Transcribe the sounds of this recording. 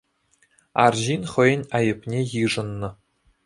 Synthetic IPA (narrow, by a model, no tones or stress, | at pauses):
ɑ̰rʑinχɤ̆jə̆nʲɑjɤ̆pʲnʲejɯʐɤ̆nːɤ̆